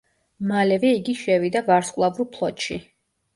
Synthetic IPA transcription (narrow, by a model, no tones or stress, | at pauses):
malɛvɛiɡiʃɛvid̪avaɾskʼwlˠavɾupʰlˠɔt̪ʃi